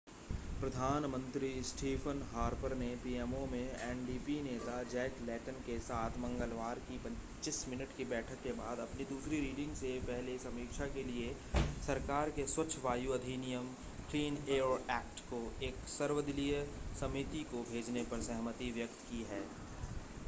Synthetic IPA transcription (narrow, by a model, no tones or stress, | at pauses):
pɾɐd̪ʱaːnmə̃nt̪ɾisʈiːpʰənɦaːɾpəɾnepiːɛːmomẽɛːnɖiːpineːt̪ad͡ʒɛːklɛːʈənkesaːt̪ʰmɐ̃ŋɡəlʋaːɾkipɐ̃ɲ | t͡ʃɪsmɪnəʈkibɛːʈʰəkːebaːd̪ɐpnid̪uːsɾiɾiːɖɪ̃ŋɡsepɛɦlesɐmiːkʃʰakelie | sɐɾkaːɾkeswɐt͡ʃʰʋaːjuɐd̪ʱinijəm | kɾiːneːoɾɛːk̚ʈkoeːksɐɾʋəd̪ɪlijəsɐmɪt̪ikobʱeːd͡ʒnepɐɾsɛɦmət̪iʋjək̚t̪kiɦɛː